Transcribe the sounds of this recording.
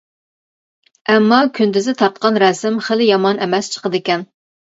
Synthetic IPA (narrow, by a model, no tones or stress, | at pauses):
ɛmːɑkʲʰynd̪ɪzɪt̪ʰɑɾt̪̚qɑnɾɛsɪmχəlɪjɑmɑnʔɛmɛst͡ʃʰə̥qəd̪ɪkʲɛn